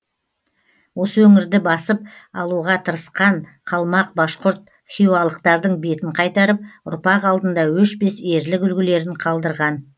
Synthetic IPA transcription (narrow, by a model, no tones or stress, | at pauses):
wo̞səwɵŋɪɾd̪ɪbɑsəp̚ɑlˠuʁɑt̪ʰəɾəsqɑɴqʰɑlˠmɑq̚bɑʃqʊɾt̪̚ | χʲijuɑlˠəq̚t̪ɑɾd̪əɴbe̞t̪ɪɴqʰɑjt̪ɑɾəp̚ʊ̰ɾpɑqɑlˠd̪ənd̪ɑwʏʃbe̞se̞ɾlɪkʏlɡʲɪle̞ɾɪɴqʰɑlˠd̪əɾʁɑn